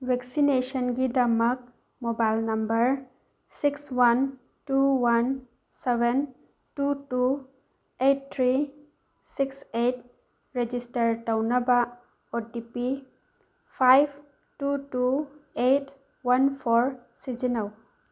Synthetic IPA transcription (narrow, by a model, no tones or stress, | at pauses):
wʱeksinesɔnɡidɐmɐk̚ | mobajlnɐmbəɾ | sikswan | tuwan | seben | tutu | eʈ̚t̪ʰɾi | sikset | ɾed͡ʒisʈəɾʈawnɐba | oʈipi | pʰajb | tutuet | wanpʰɔɾ | sid͡ʒinaw